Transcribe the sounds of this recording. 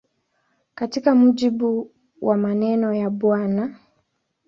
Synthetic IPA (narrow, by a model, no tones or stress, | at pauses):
katikam̩ʄiɓu | wʔamanɛnɔjaɓwana